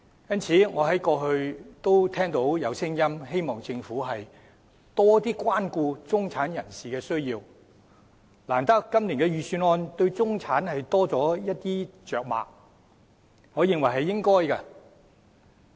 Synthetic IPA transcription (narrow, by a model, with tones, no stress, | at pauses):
jɐ˥nt͡sʰiː˨˥ŋɔː˨˧ɦɐ˨˥jkɔː˧ɦɵ˧ɥt̪o˥wt̪ʰɛː˥ŋt̪o˨˥wjɐ˨˧wsɪ˥ŋjɐ˥mɦe˥jmɔː˨ŋt͡sɪ˧ŋfuː˨˥ɦɐ˨j | t̪ɔː˥t̪iː˥kʷaː˥nkuː˧t͡sʊ˥ŋt͡sʰaː˨˥njɐ˨˩nsiː˨kɛː˧sɵ˥ɥjiː˧w | laː˨˩nt̪ɐ˥kːɐ˥mliː˨˩nkɛː˧ɥyː˨˩syː˧nɔː˧nt̪ɵ˧ɥt͡sʊ˥ŋt͡sʰaː˨˥nhɐ˨jt̪ɔː˥t͡sɔː˨˥jɐ˥t̚t̪iː˥t͡ʃœː˨k̚ma̰ː˨k̚ | hɔː˨˥jɪ˨˧ŋwɐ˨˩jɦɐ˨jːɪ˥ŋkɔː˥jkɐ˧